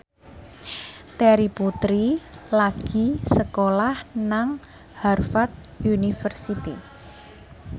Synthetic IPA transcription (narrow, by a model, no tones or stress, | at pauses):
t̪ɛɾiput̪ɾilaɡ̥i̤səkolahnaŋ | harfat̪̚junifərsit̪ḭ